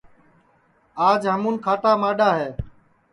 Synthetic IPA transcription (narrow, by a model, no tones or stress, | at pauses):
aːd͡ʒɦəmuːnkʰaːʈaːmaːɗaːɦeː